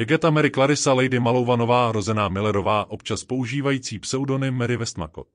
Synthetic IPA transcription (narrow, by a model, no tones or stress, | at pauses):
jɛɡɛt̪amɛɾɪklaɾɪsalɛjdɪmalo̞wvano̞vaːɾo̞zɛnaːmɪlɛɾo̞vaːʔo̞pt͡ʃaspo̞uʒiːvajiːt͡siːpsɛudo̞nɪmɛɾɪvɛst̪ma̰ko̰t̪